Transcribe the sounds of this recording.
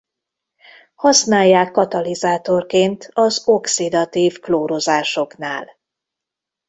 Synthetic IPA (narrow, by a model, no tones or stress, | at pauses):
hɒsnaːjːaːkːɒt̪ɒlizaːt̪o̞rkeːnt̪ʰɒzo̞ksid̪ɒt̪iːvkloːɾozaːʃo̞knaːl